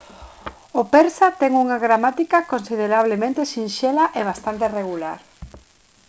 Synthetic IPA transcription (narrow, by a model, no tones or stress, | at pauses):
opeɾsat̪ɛŋuŋaɣɾamat̪ikakonsiðeɾaβ̞lemẽnt̪eʃinʃelaʔeβ̞ast̪ant̪ereɣ̞ula̰ɾ